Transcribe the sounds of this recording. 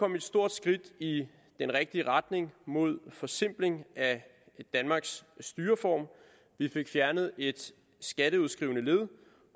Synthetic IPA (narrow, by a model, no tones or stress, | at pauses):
kʰɒ̽me̝d̥sd̥o̝ɐ̰d̥sɡ̥ʁid̥i | d̥enʁɛɡ̥̚d̥iəʁɑ̈d̥ne̝ŋmo̝ð̞̰ˠfɒ̽sem̰b̥le̝ŋæ | d̥ænmɑ̈ːɡ̥sːd̥yːɐfɒ̰ːm | ʋife̝ɡ̥fjæɐnð̞̩ˠe̝d̥ | sɡ̥æɾ̥əuð̩ˠsɡ̥ʁiʊ̰nəle̝ðˠ